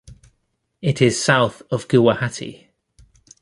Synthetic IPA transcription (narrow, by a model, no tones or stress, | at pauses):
ɪtʰɪz̥saʊθəvɡuwəhatʰḭ